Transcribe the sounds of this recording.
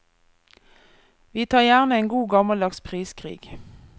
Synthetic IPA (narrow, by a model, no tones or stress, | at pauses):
ʋiːt̪ʰɑːʁjæːʁnəeːŋɡuːɡɑmɑld̪ɑkspʰʁiːskʰʁḭːɡ̥